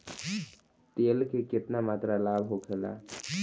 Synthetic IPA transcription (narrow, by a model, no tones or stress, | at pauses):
t̪eːlkekɪt̪namaːt̪ɾalaːbɦokʰeːla̰ː